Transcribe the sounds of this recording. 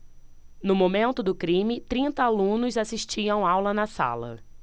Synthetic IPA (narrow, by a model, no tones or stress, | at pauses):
nʊmõmẽnt̪ʊd̪ʊkɾĩmɪt̪ɾĩnt̪ɐalũnʊzasiʃt͡ʃiɐ̃w̃awlɐnɐsa̰lɐ̰